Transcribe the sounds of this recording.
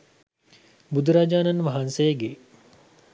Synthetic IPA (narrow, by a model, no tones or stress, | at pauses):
bud̪ɾaːd͡ʒaːnɐnʋaɦansejəɡe